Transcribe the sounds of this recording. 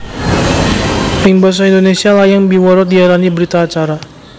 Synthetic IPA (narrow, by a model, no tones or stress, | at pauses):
ɪŋbas̬aind̪onesialajaŋbiwɔɾɔdiaɾanibəɾit̪aːt͡ʃaɾa